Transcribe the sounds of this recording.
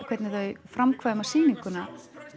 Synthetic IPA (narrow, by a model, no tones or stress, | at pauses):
kʰvɛt̪nɪθœɥfɾamkʰvaːðɪmasiːniŋkʏna